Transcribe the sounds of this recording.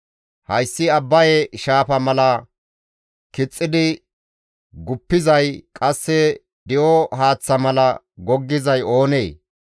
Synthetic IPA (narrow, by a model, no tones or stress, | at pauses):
hɐjsːɪɐbːɐjɛʃaːfɐmɐlɐ | kɪt͡sʼːɪd̪ɪ | ɡʊpːɪzɐjkʼɐsːɛ | d̪ɪʔɔɦaːt͡sːɐmɐlɐ | ɡɔɡːɪzɐjo̞ːneː